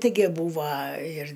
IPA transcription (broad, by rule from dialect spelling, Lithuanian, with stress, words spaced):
tʲɪˈɡʲɪ ˈbuːʋɐ ɪr